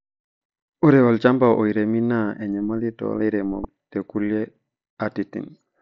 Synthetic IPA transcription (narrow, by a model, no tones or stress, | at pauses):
uɾɛwɔlt͡ʃambaʔoiɾeminaɛɲɛmalitɔ̰leɾɛmɔ̰ | tekuljɛ | atitḭn